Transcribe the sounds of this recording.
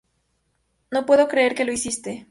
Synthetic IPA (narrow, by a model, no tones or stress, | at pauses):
no̞pwe̞ðo̞kɾeeɾke̞lo̞isist̪e